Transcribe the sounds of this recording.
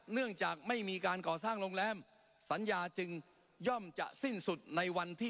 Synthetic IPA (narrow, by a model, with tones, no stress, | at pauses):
nɯ˥˩əŋt͡ɕaː˨˩k̚ma˥˩jmiː˧kaː˧nkɔː˨˩saː˥˩ŋloː˧ŋlɛː˧m | sa˨˦njaː˧t͡ɕɯ˧ŋ | jɔ˥˩mt͡ɕa̰˨˩ʔsi˥˩nsu˨˩t̪̚na˧jwa˧nt̪ʰiː˥˩